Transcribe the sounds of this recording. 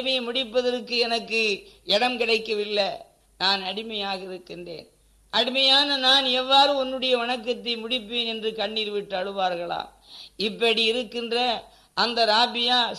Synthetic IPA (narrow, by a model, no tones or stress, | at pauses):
mɐjɐmʊɽɪpːɐðɐrkːɯɛnɐkːɯɛɽɐmkɪɽɐɪkːɐʋɪlːɐ | naːnɐɽɪmɐjaːɣɐɪɾɯkːɪndrḛːn | ʔɐɽɪmɐjaːnɐnaːnɛʋːaːɾɯɔnːɯɽɐjɐʋɐɳɐkːɐt̪ːɐɪmʊɽɪpːeːnɛndrɯkɐɳːiːɾɯʋɪʈːɐɻɯʋaːɾɣɐɭa̰ːm | ɪpːɐɽiɪɾɯkːɪndrɐ | ʔɐnd̪ɐɾaːbɪjaː